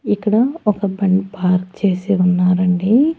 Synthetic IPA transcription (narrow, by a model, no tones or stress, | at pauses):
ikːɐɽɐɔkɐbɐɳɖpaːɾkt͡ʃeːsiunːaːɾɐɳɖi